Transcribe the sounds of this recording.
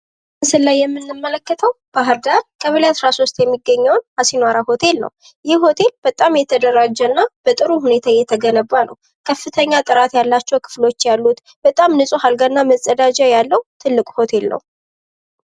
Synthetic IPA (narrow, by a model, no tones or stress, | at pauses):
mɨsɨlːajːɛmːɨnːɨmːələkːət̪ʰəw | b̥aɦɨɾd̪aɾkʰəβɨlasɾaso̞st̪ʼjɛmːiɡːəɲːɛwnhasinwaɾaho̞t̪ʰe̞lnə̰w | jɪhho̞t̪ʰe̞lb̥ət̪ʼamjɛt̪ʰəd̪əɾad͡ʒːɛnːab̥ət̪ʼɨɾuhune̞t̪ʰajɛt̪ʰəɡənəβːanə̰w | kʰəfːɨt̪ʰəɲːat̪ʼɨɾat̪jalːat͡ʃːɛwkʰɨ̥flo̞t͡ʃːjalːut̪ | b̥ət̪ʼamnɨsʼuɦalɡanːaməsʼəd̪ad͡ʒajalːəwt̪ʰɨlːɨkʼho̞t̪ʰe̞lnə̰w